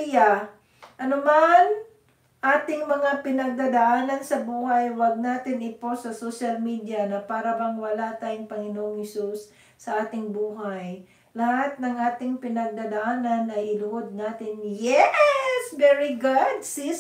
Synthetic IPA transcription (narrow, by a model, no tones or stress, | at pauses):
ja | ʔɐnoman | ʔaːt̪ɪŋmɐŋapɪnɐɡ̚d̪aːd̪ɐʔaːnɐnsɐbuːhɐjwɐɡ̚naːt̪ɪnɪp̪o̞sɐsoʃɐlmid̪jɐnɐpaːɾɐbɐŋwɐlat̪aːjʊŋpɐŋɪnoːʔoŋhɛsusː | ɐʔaːt̪ɪŋbuːɦaj | lɐhat̪̚nɐŋʔaːt̪ɪŋpɪnɐɡ̚d̪aːd̪ɐʔaːnɐnɐjʔɪlʊhod̪̚naːt̪ɪnjɛsvɛɹiɡʊd̪̚si